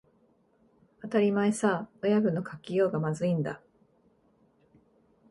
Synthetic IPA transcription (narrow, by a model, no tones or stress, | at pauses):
at̪aɾʲimaisaojaɡɯ̟no̞kʰakʲijo̞ːɡamazɨĩnd̪a̰